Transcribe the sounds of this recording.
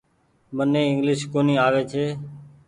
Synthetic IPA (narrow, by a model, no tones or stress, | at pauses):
mənẽːɪŋɡlɪʃkoːniːaːʋeːt͡ʃʰeː